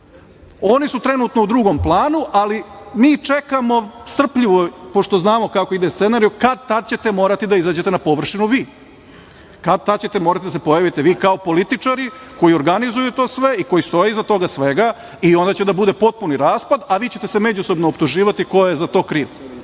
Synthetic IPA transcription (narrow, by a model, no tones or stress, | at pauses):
o̞nisut̪ɾe̞nuːt̪noud̪ɾuɡo̞mplˠaːnuʔalimiːt͡ʂe̞kamo̞st̪r̩pʎiʋopo̞ʂt̪oznaːmo̞kako̞id̪est̪senaɾijukad̪̚t̪ad̪̚t͡ɕet̪e̞mo̞ːɾat̪id̪aizaːd͡ʑe̞t̪enapo̞ʋr̩ʂinuʋiː | kad̪̚t̪ad̪t͡ɕe̞t̪emo̞ːɾat̪id̪asepojaʋit̪e̞ʋiːkao̞po̞lit̪it͡ʂaɾiko̞jio̞ɾɡanizujut̪o̞ːsʋe̞iko̞jist̪o̞jeizat̪o̞ɡasʋe̞ɡa | io̞nd̪aːt͡ɕed̪abud̪e̞po̞t̪̚puniɾaːspad̪aʋiːt͡ɕe̞t̪e̞se̞me̞d͡ʑuso̞bnoːpt̪uʒiːʋat̪iko̞jezat̪o̞ːkɾiːʋ